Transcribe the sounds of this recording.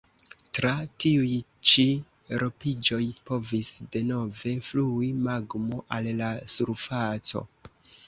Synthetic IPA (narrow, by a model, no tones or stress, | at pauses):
tɾatiujt͡ʃi | ɾo̞pid͡ʒo̞jpo̞visde̞no̞ve̞fluimaɡmoʔalːasuɾfat͡so̞̰